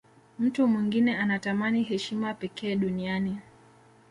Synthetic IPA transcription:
m̩tumwiŋɡinɛanatamaniɦɛʃimapɛkɛːɗuniani

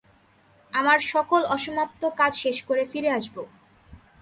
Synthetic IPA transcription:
amaɾʃɔkolɔʃomap̚t̪okad͡ʑʃeʃkoɾefiɾeaʃbo

